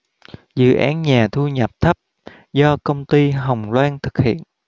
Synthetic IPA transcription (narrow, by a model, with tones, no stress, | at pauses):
zɨ̰˧˨ʔaː˨˦nɲaː˨˩t̪ʰu˧ɲə˨˩p̚t̪ʰə˦˥p̚ | zɔ˧kə˧wŋ͡mt̪i˧ɦə˨˩wŋ͡mlwaː˧nt̪ʰɨ˨˩k̚hḭ˧˨ən